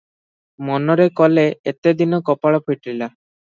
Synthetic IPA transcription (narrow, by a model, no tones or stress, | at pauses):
mɔnɔɾekɔleet̪ed̪inɔkɔpaɭɔpʰiʈɾila